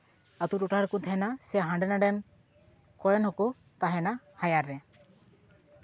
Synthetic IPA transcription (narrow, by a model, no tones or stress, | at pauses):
at̪uʈuʈaɾkut̪ʰɛɛnasɛɦaɳɖɛnaɖɛn | kɔɹɛnhɔkɔ | t̪aɦɛna | hajaɾːɛ